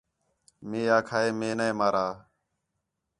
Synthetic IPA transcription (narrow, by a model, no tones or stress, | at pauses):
meːaːkʰaːeːmeːneːmaːɾaː